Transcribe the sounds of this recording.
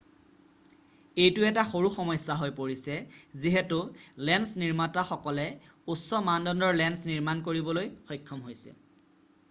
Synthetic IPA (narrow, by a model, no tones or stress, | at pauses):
ejtʊɛtaxoɹuxɔmɔjsːaɦojpoɹisɛziɦetʊlɛnsniɹmataxɔkɔlɛusɔmandɔndɔɹlɛnsniɹmankoɹibɔlojxɔjkʰːɔmɦojsɛ̰